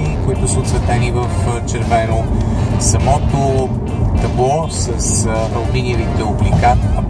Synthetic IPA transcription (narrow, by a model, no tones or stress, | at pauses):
koit̪ʊsəʊot̪svɛt̪ɛnivəft͡ʃɛɾvɛnosɐmɔt̪o | t̪ɐblˠɔ | səsɐlminiəvit̪ɛoblika